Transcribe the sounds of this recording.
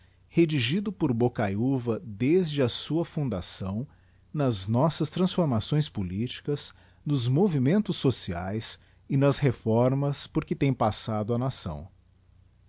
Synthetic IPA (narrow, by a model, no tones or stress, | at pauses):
hed͡ʒiʒid̪ʊpoɾbokajuvɐd̪ezd͡ʒɪɐsuɐfũd̪asɐ̃w̃ | nɐznɔsɐst̪ɾɐ̃sfoɾmasõj̃spolit͡ʃi̥kɐz | nʊzmovimẽnt̪ʊsːosia̰js | ɪnɐshefɔɾmɐspoɾkɪt̪ẽj̃pasad̪ʊɐnasɐ̰̃w̃